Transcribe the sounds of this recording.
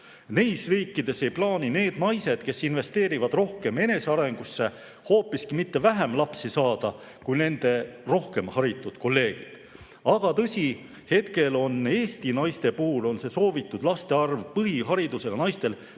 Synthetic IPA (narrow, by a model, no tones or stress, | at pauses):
nejsriːkːˑid̪̥e̞se̞jplɑːnine̞ːd̪̥nɑjse̞d̪̥ke̞sinve̞st̪e̞ːɾivɑd̪̥ro̞hke̞me̞ne̞seɑɾe̞ŋɡ̥usːe̞ | ho̞ːpːiskimit̪ːe̞væɦæmlɑpsisɑːd̪̥ɑ | kujne̞nd̪̥e̞ro̞hke̞mhɑɾit̪ːˑud̪̥ko̞lːe̞ːɡ̥id̪̥ | ɑɡ̥ɑt̪ɤsʲi | he̞t̪ke̞lo̞ne̞ːst̪inɑjst̪e̞puhulo̞nse̞so̞ːvit̪ːˑud̪̥lɑst̪e̞ɑrvpɤɦiɦɑɾid̪use̞jɑnɑjst̪e̞l